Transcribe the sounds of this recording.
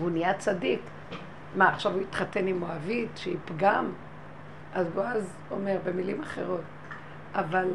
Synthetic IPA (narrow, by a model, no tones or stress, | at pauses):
vunijat͡sadik | maːχʃavuit̪χate̞nimoavitʃeipɡam | ʔazɡoaz | ome̞ʁbe̞milimaχe̞̰ʁo̞t̚ | ʔaval